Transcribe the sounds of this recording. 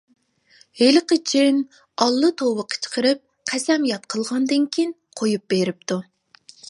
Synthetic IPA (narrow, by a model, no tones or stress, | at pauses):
helɨqət͡ʃʰin | ɑlˠːɨt̪ʰowəqʰə̥t͡ʃʰə̥qʰəɾɪp̚ | qʰæsɛmjɑt̪̚qʰəlˠʁɑnd̪ɨŋkʲʰin | qʰojup̚beɾɪp̚t̪u